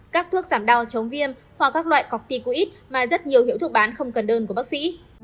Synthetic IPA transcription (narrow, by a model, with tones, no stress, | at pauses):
kaː˦˥k̚t̪ʰu˦˥ək̚zaː˧˩mɗa˨˧˩wt͡ɕə˨˦wŋ͡mvi˧əm | hwa˨˩k̚ːaː˦˥k̚lwa̰ː˧˨jkɔ˨˩k̚t̪i˧˩ku˧˦ʔi˦˥t̚maː˨˩zə˦˥t̚ɲi˨˩əwhi˧əwt̪ʰk̚ɓaː˨˦nxə˧wŋ͡mkə˨˩nɗəː˧nku˧˩əɓaː˦˥k̚sḭ˧˥